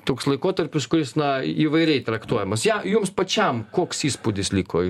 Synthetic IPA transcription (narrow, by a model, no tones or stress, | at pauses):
t̪oːkslˠɐɪkoːt̪ɐɾʲpʲʊskʊɾʲɪsnɐiːʋɐɪɾʲɛɪt̪ɾɐkt̪uɔjɛmɐsjɛjʊmspɐt͡ʃʲɛmkoːksiːspud̪ʲɪslʲiːkoː